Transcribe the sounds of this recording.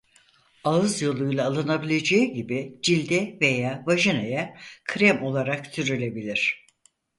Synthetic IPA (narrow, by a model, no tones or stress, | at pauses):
aɯzjo̞lˠujlˠaːlˠɯnabilʲe̞d͡ʒeiɟibid͡ʒilʲd̪ɛve̞jaːvaʒinajakʰɾɛmo̞lˠaɾakt̪ʰyɾylʲe̞bilʲiɾ̥